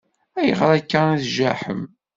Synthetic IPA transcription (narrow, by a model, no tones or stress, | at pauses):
æjə̰ʁɾˤækːæniθʒæħə̰m